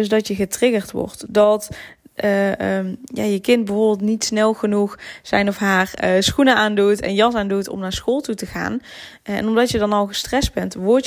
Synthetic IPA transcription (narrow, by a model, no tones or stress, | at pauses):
ɵzdɑtjəɣətrɪɡərtʋɔ̰ɹtdɑt | ja̰ːjəkɪnt̚bəvoːbɪlˠtnitsnɛlˠɣənuxz̥ɛjnɔfɦaːrəsxunəʔaːndutɛ̰njɑsaːndutɔ̰mnaːɹsxoːlˠtutəɣa̰ːn | ɛ̰nɔmdɑtjədɑnɑlˠɣəstrɛsdbɛntʋɔɹ